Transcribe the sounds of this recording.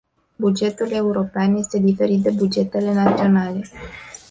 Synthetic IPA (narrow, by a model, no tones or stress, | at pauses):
bud͡ʒe̞t̪ule̞uɾo̞peanje̞st̪e̞d̪ife̞ɾit̪̚d̪e̞bud͡ʒe̞t̪e̞le̞nat̪sio̞nale̞